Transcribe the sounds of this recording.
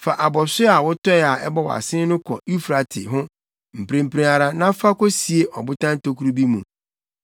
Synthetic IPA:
fa˨ʔa˨bɔ˨sɪ˦a˨wʊ˦tɔ˦ɛ˨a˨ʔɛ˦bɔ˦˨wɔ̰˨a̰˨sɪ̃˦nʊ̃˦kʰɔ̰˨i˦fɾa˨tʰɪ̰˨ɦʊ̃˦ | m̩˨pɾẽ˨m̩˨pɾẽ˨˦a˨ɾa˦nã˦fa˦kɔ˦si˨e˨˦ʔɔ˨bʊ˦tʰã˦n˦to˦kʰu˦ɾu˦bi˦mũ˨

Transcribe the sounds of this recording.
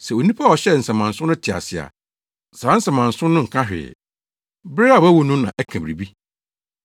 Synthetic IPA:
sɛ˨o˨nĩ˦pʰa˦˨ɔ˨ɕɛ˦n̩˨sɛ̃˨mã˨n̩˨sʊ̃˦nʊ̃˦tʰɪ˨a̰˨sɪ˨a̰˨ | sa˨a˦n̩˦sɛ̃˨mã˨n̩˨sʊ̃˦nːʊ̃˦ŋ̩˨kʰã˦ɦᶣɪ̰˨ɛ̰˨ | bɾɪ˦a˨wæ˦wo˨nũ˦mnã̰˨ʔɛ˦kʰã˨bɾi˨bi˦

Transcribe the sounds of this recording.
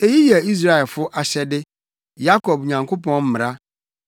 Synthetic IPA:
e˨ji˦jɛ˨i˦s̬ɾa˦˨ɛ˨lfʊ˦ʔa˨ɕɛ˦dɪ˦ | ja˦kʰɔ˨b̚ɲã˨ŋkʰo˦pʰɔ̃˦nm̩˦mɪ̃˨ɾa˦

